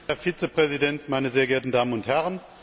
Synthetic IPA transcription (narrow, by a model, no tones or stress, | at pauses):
hɛɐfiːt͡səpʁ̥ɛzidɛntmaɪnəzeːɐɡɛːɐtn̩daːmənʊnthɛʁən